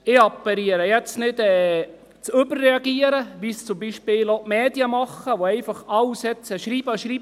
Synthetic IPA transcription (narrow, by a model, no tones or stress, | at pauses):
ɪɑpːəɾiəɾəjɛt͡snɪdɛː | t͡sʏbərːɛɑɡiəɾəʋist͡sʊmbiʃpɪːlotmɛːdjəmɑχːəʋoɛɪfɑχɑlsɛt͡səʃɾiːbəʃɾiːb